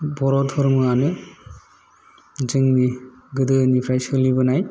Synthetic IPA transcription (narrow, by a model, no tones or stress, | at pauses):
bɔɾɔthɔɾmɯanɯ | d͡ʒɯŋni | ɡɯdɯnipʰɾajsɯlibɯnaj